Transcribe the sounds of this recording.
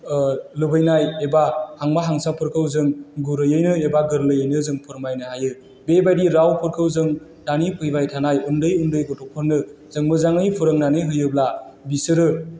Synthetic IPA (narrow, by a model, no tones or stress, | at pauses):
lɯbɯjnajebahaŋmaɦaŋsapʰɯɾkʰɯwzɯŋɡuɾɯjɯjnɯebaɡɯɾlɯjɯjnɯzɯŋpʰɯɾmajnɯhajɯ | bebajdiɾawpʰɯɾkʰɯwzɯŋ | d̥anipʰɯjbajtʰanajundɯjundɯjɡɔtʰɔpʰɯɾnːɯ | z̥ɯŋmɯzaŋɯjpʰɯɾɯŋnaniɦɯjɯbla | bisɯɾɯ